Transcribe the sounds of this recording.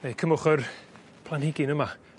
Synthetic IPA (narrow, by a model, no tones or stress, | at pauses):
nejkʰəmʊχər | pʰlˠanhɪɡɪnəma